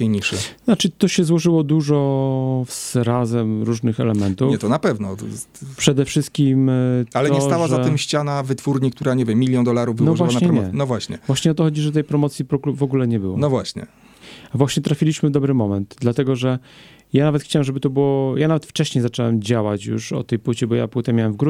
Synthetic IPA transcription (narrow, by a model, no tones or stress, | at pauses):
kʲejɲiʂɘ̰nat͡ʂɘt̪ɔɕɛzwɔʐɘwɔd̪uʐɔ | zɾazɛmɾuʐnɘxɛlɛmɛnt̪uɲɛt̪ɔnapɛvnɔ | pʂɛd̪ɛfʂɘst̪̚kʲimalɛɔɲɛst̪awaʐaɨmɕt͡ɕanavɘt̪fuɾɲikt̪uɾaɲevʲjɛmʲːilʲjɔnd̪ɔlaɾuvbnɔvʐvwawanaɲɛɾɛɲɛnɔvwaɕɲɛ̰vwaɕɲɛɔt̪ɔxɔd͡ʑiʐɛt̪ɛjpɾɔmɔt̪sʲjipɔɡvɔɡulɛɲɛbɘwɔ̰nɔvwaɕɲɛ̰ | avwaɕɲɛt̪ɾafʲilʲiɕmɘvd̪ɔbɾɘmɔmɛnt̪d̪lat̪ɛɡɔʐɛ | janavɛt̪xt͡ɕawɛmʐɛbɘt̪ɔbɘwɔjanavɛt̪ft͡ʂɛɕɲejzat͡ʂɛwɛmd͡ʑawat͡ɕjṵʂɔ̰t̪ɛjpwɘt͡ɕɛbɔja̰pwɘt̪ɛmjawɛmvɡɾu